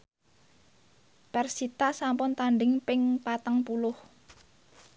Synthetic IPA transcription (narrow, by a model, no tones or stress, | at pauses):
pɛrsit̪asampʊnt̪anɖɪŋpɪŋpat̪əŋpulʊh